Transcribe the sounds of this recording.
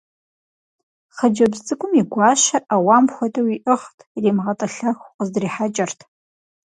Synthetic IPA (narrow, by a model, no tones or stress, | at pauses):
χəd͡ʒɐbzt͡sʼɨkʷʼʊmiɡʷɑːʃɐʔawaːmxʷɔdʰʼɐwiʔɨχtʰʼriːmʁɐtʼɐɬɐxʷqəzdriːħat͡ʃʼɐrtʰ